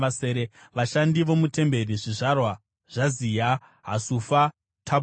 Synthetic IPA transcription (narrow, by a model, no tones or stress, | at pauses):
aseːɾeʋaʃandiʋo̞mute̞mbe̞riʐiʐarwa | ʐ̥azija | ɦasufa | tʰa